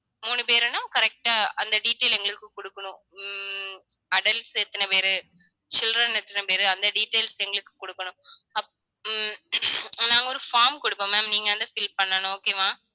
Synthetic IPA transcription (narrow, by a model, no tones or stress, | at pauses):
muːɳɯpeːɾɐnãːkɐɾɛk̚ʈaːɐnd̪ɐɖiːʈːeːlɛŋɡɐɭɯkːɯkɔɽɯkːɐɳʊ̃ | ɐɖɐlʈsɛt̪ːɐnɐpeːɾɯ | t͡ʃɪlrɐnɛt̪ːɐnɐpeːɾɯɐnd̪ɐɖiːʈːeːlsɛŋɡɐɭɯkːɯ̥kɔɽɯkːɐɳʊ̃ɐpː | nãːŋɡɐɔɾɯfaːɾmkɔɽɯpːɐmeːmniːŋɡɐɐnd̪ɐfɪlpɐnːɐnʊ̃oːkeːmaː